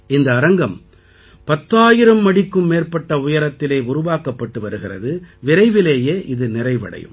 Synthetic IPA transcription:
ɪnd̪ɐːɾɐŋɡɐm | pɐt̪ːaːjɪɾɐmːɐɽɪkːɯmːeːrpɐʈːɐʊjɐɾɐt̪ːɪleːʊɾʊʋaːkɐpːɐʈːɯʋɐɾɯɣɪrɐ̰ðɯʋɪɾɐɪʋɪleːjeːʔɪðɯnɪrɐɪʋɐ̰ɽɐ̰jɯ̰m

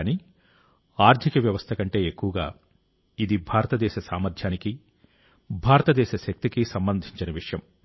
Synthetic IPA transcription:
niː | aːɾd̪ʱikɐʋjɐʋɐst̪ʰɐkɐɳʈe̞ːekːuʋɐɡa̰ː | id̪ibʱaːɾɐt̪ɐd̪ɛːʃɐsaːmɐɾd̪ʱʰjaːniki | bʱaːɾɐt̪ɐd̪ɛːʃɐʃɐk̚t̪ikisɐmbɐnd̪ʱiɲt͡ʃɐnɐʋiʂɐjɐm

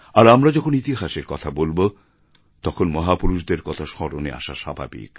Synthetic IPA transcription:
aɾamɾad͡ʑɔkʰonit̪iɦaʃeɾkɔt̪ʰabolbo | t̪ɔkʰonmɔɦapuɾuʃd̪eɾkɔt̪ʰaʃɔɾonḛa̰ʃaʃabʱa̰bḭk

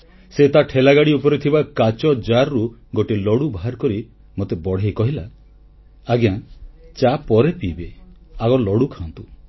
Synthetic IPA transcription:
set̪aʈʰelaɡaɽiupɔɾet̪ʰibakat͡ʃɔd͡ʒaɾːuɡoʈelɔɽubaɦaɾkɔɾi | mot̪ebɔɽ̤ejkɔɦilaː | ɡjãt͡ʃapɔɾepibe | aɡɔlɔɽukʰant̪u

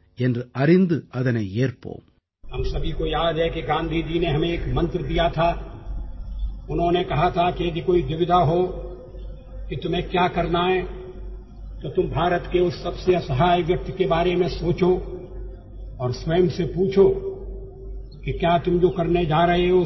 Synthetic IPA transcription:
ɛndrɨɐɾɪnd̪ɯɐðɐnɐɪeːɾpo̰ːm | hɐmsɐbʱikojaːd̪ɦɛkiɡãːnd̪ʱid͡ʒineɦɐmẽːkmɐ̃nt̪ɾd̪ijat̪ʰa | ʊnɦõnekɐɦat̪ʰakiɐd̪ikoːiʋɪʋɪd̪aɦo | kit̪ʊmẽkjaːkɐɾnaɦɛ | t̪ot̪ʊmbʱaːɾət̪keʊsːɐbseɐsɐɦaːjʋjɐk̚t̪kebaːɾemẽsoːt͡ʃo | ɔːɾswɐjəmsepuːt͡ʃʰo | kikjaːt̪ʊmd͡ʒoːkɐɾned͡ʒaːɾɐɦeɦo

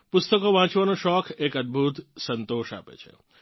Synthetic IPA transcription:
pʊst̪əkoʋãt͡ʃʋanoʃɔkʰekəd̪̚bʱut̪sənt̪oʃa̰pḛt͡ʃʰḛ

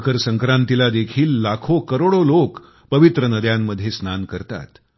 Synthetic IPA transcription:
kəɾsəŋkɾãnt̪ilad̪ekʰiːlːakʰokəɾoɽolok | pəʋit̪ɾənəd̪jãmːəd̪ʱjesnankəɾt̪a̰t̪

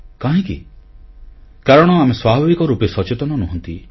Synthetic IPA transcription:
kaɦĩkḭ | kaɾɔɽ̃ɔameswabʱaabikɔɾupesɔt͡ʃet̪ɔnɔnuɦɔnt̪i

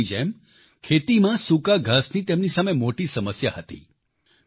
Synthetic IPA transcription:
id͡ʒḛm | kʰet̪imãsukaɡʱasnit̪emnisamemoʈisəməsjaɦət̪ḭ

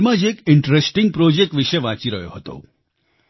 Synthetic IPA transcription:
mãd͡ʒekɪɳʈɾesʈɪ̃ŋɡ̚pɾod͡ʒek̚ʈʋiʃeʋãt͡ʃiɾəɦjo̰ɦət̪o̰

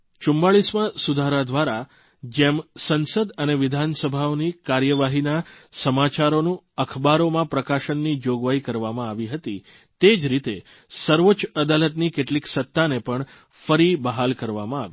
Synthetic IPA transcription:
t͡ʃũmbaɭismãsud̪ʱaɾad̪ʋaɾa | d͡ʒemsənsəd̪əneʋɪd̪ʱansəbʱaonikaɾjəʋaɦinasəmat͡ʃaɾonũ | əkʰbaɾomãpɾəkaʃənːid͡ʒoɡʋaikəɾʋamãaʋiɦət̪i | t̪ed͡ʒɾit̪e | səɾʋot͡ʃəd̪alət̪nikeʈliksət̪ːanepəɳ | fəɾibəɦalkəɾʋamãa̰ʋi

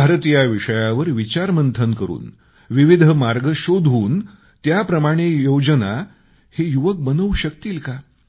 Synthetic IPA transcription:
bʱaɾt̪ijaʋiʂəjaʋəɾʋit͡ɕaɾmənt̪ʰənkəɾṵːn | ʋiʋid̪ʱəmaɾɡəɕod̪ʱuːn | t̪japɾəmaɽ̃ejod͡ʑəna | hejuʋək̚bənəʋuɕək̚t̪iːlka

